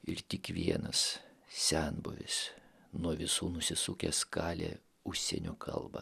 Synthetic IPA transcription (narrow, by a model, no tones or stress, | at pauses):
ɪɾt̪ʲɪkʋʲiɛnɐssʲɛnbʊ̰ʋʲɪ̰s | nuɔʋʲɪsuːnʊsʲɪsuːkʲɛskɑːlʲḛː | ʊʃʲsʲɛ̰nʲoːkʰɐ̰lˠbɐ̰